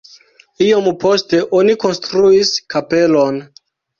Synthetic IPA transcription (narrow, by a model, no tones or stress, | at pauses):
iompo̞ste̞ʔo̞niko̞nstɾuiskape̞lo̞n